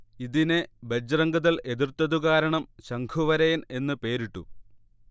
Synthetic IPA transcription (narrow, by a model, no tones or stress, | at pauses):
iðinebed͡ʑrɐŋɡɐðɐle̞ðirt̪ːɐðuɣaːɾɐɳɐmɕɐŋɡʰuʋɐɾejne̞nːɨpe̞ːɾiʈːṵ